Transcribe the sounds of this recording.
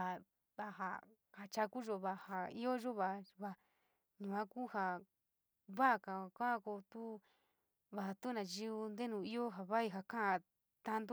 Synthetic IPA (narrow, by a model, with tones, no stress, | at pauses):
a˨ | βa˧˨ɦa̰˧ | ha˨t͡ʃa˧ku˦ʒo˧βa˧ha˧i˦o˦ʒo˦βa˧˨βa˧ | ɲũ˨ã˦ku˦ha˨ | βa˦˨ka˨kã˦ko˧t̪u˦ | βa˧a˨t̪u˦nã˨ʒi˦u˧nd̪e˦nũː˨i˦o˦ɦa˨βa˦i˧ɦa˨kã˦ã˧˨ | t̪a˧nd̪u˦